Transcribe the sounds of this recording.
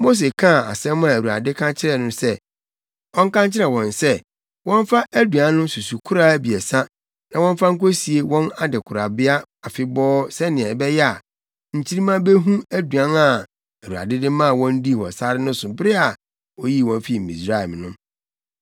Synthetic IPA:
mo˦s̬e˨kʰã˦˨a̰˨sɛ̃˦m˦a˨wu˨a̰˨dɪ˦kʰã˦t͡ɕʰɪ˦ɾɛ˨nʊ̃˦sɛ˦ | wɔ̃˦ŋ̩˦kã˦ɲt͡ɕʰɪ˦ɾɛ˨wɔ̃˨nsɛ˦ | wɔ̃˦n˦fa˦ʔæ˦du˨ã˨˦nʊ̃˦su˨su˨kʰʊ˦ɾa˦bi˨ɛ˨sa˦ | nã˨wɔ̃˦ɱ˦fa˦ŋ̩˦ko˦si˨e˨wɔ̃˦na˦dɪ˨kʰʊ˨ɾa˨bɪ˦a˦ | a˨fɪ˦bɔː˦sɛ˦nɪ̃˨ɛ˨bɛ˦jɛ˦a˨ | ɲ̩˨t͡ɕʰi˦ɾi˦mã˦be˦ɦũ˦æ˦du˨ã˦na˨ | æ˨wu˨a̰˨dɪ˦dɪ˦mã˦˨wɔ̃˦n˦di˦˨hɔ̰˨sa˦ɾɪ˦nʊ̃˦sʊ˨bɾɪ˦a˨ | wɔ˦ji˦˨wɔ̃˦mfi˦˨mḭ̃˨sɾa˦˨ɛ˨m˨nʊ̃˦

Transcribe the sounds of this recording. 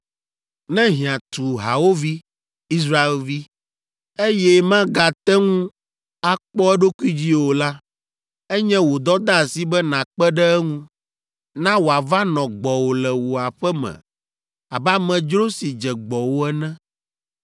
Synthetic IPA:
nɛ̃˦ɦĩ˨ã˨t̪u˨ɦa˨wo˦vi˦ | i˦s̬ɾa˦e˦lvi˦ | e˦jɛ˦mã˦ɡa˨t̪ɛ˦ŋũ˦ | a˦k͡pɔ˦ɛ˦ɖo˦ku˦i˦d͡ʑi˦wo˨la˦ | ɛ˦ɲɛ̃˦wo˨d̪ɔ˦d̪a˦˨si˦bɛ˦nã˨k͡pɛ˦ɖɛ˦ɛ˦ŋũ˦ | nã˦wo˨a˨va˦nɔ̃˨ɡ͡bɔ˨wo˨lɛ˨wo˨a˨ɸɛ˦mɛ̰̃˨ | a˨ba˦mɛ̃˨d͡ʒɾo˦si˨d͡ʒɛ˨ɡ͡bɔ˨wo˦ɛ˦nɛ̃˦

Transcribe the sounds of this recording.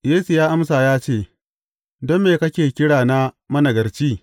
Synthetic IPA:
jeː˦su˨jaː˦ʔa˦msaː˨jaː˦t͡ʃeː˦˨ | dɔ˦mːeː˨kɐ˦kʲeː˨kʲɪ˦ɽaː˨na˦ | mɐ˦nɐ˨ɡɐ˨rt͡ʃiː˦

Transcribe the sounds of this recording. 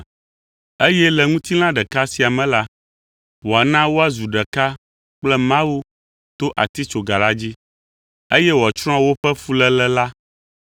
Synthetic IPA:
e˦jɛ˦lɛ˨ŋũ˦t̪i˦l̃ã˦ɖɛ˨ka˦si˨a˨mɛ̃˨la˦ | wo˨a˨nã˦wo˦a˨zu˨ɖɛ˨ka˦ | k͡plɛ˦mã˦wu˦ | t̪o˦ʔa̰˨t̪i˦t͡ʃo˨ɡa˨la˦d͡ʑi˦ | e˦jɛ˦wt͡ʃɾ̃ɔ̃˦a˦wo˦ɸɛ˦fu˦lɛ˦lɛ˦la˦

